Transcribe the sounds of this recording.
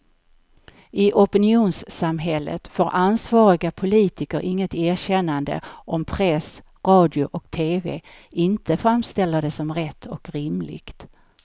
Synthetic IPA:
ɪʔɔpənɪuːnsːamɦɛlːə̰t̪foːɾʔansvɑːɾɪɡapʰʊliːt̪ɪkəɾʔɪŋːət̪eːɕɛnːand̪ə̰ɔmpʰɾɛs | ɾɑːd̪jʊʔɔkt̪ʰeːvḛ | ɪnt̪əfɾamst̪ɛlːad̪ɛsɔmɾɛt̪ʰːɔkɾɪmlɪ̰ɡ̥t̪

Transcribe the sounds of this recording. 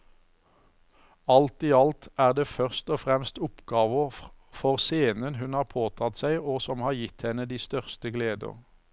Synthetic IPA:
ɑlt̪iːɑlt̪æːʁd̪eːfœʁst̪oːfʁɛmst̪ʊpɡɑːʋəfɔʁseːnənɦʉnhɑːʁpʰoːt̪ʰɑt̪sæɪoːsɔmhɑːʁjɪt̪hɛnəd̪iːst̪œʁst̪əɡleːd̪ə̰ʁ

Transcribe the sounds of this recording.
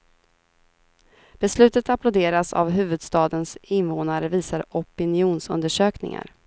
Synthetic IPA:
b̥ɛslʉ̟ːt̪ət̪apʰlʊd̪eːɾasa̰vɦʉ̟ːvɵd̪st̪ɑːd̪ənsɪnvoːnaɾəviːsaɾɔpɪnɪuːnsɵ̰nd̪əʂøːknɪ̰ŋa̰ɾ

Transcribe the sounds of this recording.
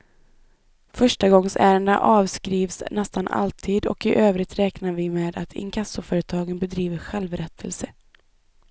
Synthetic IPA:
fœʂʈaɡɔŋsæːɾənd̪a̰ʔɑːvskɾiːvsnɛst̪ana̰lt̪ʰiːd̪ɔ̰kɪʔøːvɾɪt̪ɾɛːknavɪmeːd̪at̪ʰɪ̰ŋkʰasʊfœːɾət̪ʰɑːɡənbɛd̪ɾiːvəɧɛlvɾɛt̪ʰəlsə

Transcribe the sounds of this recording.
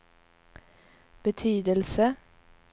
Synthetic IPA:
b̥ət̪ʰyːd̪əlsə

